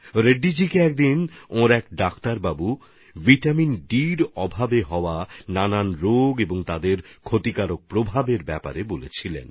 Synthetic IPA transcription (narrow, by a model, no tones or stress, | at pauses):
ɾeɖːid͡ʑikeɛk̚d̪inõɾɛkɖakt̪aɾbabu | viʈaminɖiɾɔbʱabeɦɔoanananɾoɡeboŋt̪ad̪eɾkʰot̪ikaɾok̚pɾobʱabeɾbɛpa̰ɾebolḛt͡ɕʰilḛn